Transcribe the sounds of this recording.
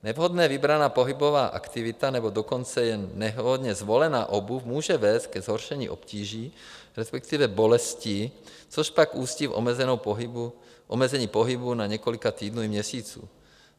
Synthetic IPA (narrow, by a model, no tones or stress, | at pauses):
nɛvɦod̪nɛːvibɾanaːpoɦibovaːʔa̰kt̪ivit̪anɛbodokont͡sɛjɛnːɛɦɦod̪ɲɛzʋolɛna̰ːʔobufmuːʒɛvɛːst̪̚kɛzɦoɾʃɛɲḭːʔo̰pciːʒiːɾɛspɛk̚t̪ivɛbolɛsci | t͡soʃpakuːscifmɛzɛnowpɦu | ʔomɛzɛɲiːpoɦibunaɲɛkolikat̪iːd̪nuːimɲɛsiːt͡sṵː